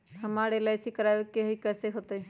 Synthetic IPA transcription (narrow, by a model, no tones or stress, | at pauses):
həmaːɽelaːsikəɾaːjokeɦikɛːseɦot̪e